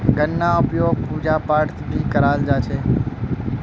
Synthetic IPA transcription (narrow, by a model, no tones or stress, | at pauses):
ɡənːaʊpjoɡ̚pud͡ʒapaʈt̪ʰb̪ʱikəɾald͡ʒat͡ʃʰe